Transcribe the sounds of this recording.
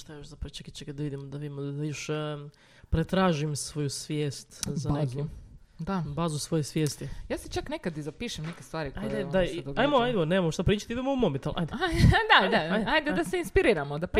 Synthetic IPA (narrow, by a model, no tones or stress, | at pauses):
ʃt̪ajoʃzapɾɐʋot͡ʃakit͡ʃekad̪d̪aʋid̪imod̪aʋid̪imod̪ajoʃ | pɾet̪ɾaːʒimsʋojusʋjeːst̪zanekud̪abaːzusʋo̞jesʋjeːst̪ijaːset͡ʃaknekad̪izapiːʃemnekest̪ʋaːɾikoajd̪edaid̪oɡajmoajd̪eoneːmamʃt̪apɾiːt͡ʃat̪iid̪emoumomit̪alʔa̰jd̪ead̪ad̪aajd̪ed̪aseinspiɾiːɾamod̪apɾ